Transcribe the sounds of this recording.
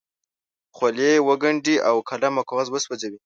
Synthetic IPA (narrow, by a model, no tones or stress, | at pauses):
xwaljewəɡaɳɖiʔawkʰalamakowazwəswad͡ʒawi